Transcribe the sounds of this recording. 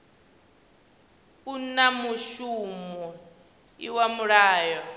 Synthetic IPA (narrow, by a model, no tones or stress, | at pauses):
kunamuʃumɔ | iwamuɺaːjɔ